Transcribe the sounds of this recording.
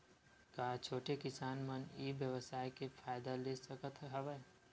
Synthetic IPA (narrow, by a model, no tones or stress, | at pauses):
kaːt͡ʃʰoːʈekɪsaːnmənibjəʋəsaːjkefʰaːɪd̪alesəkət̪ɦəʋə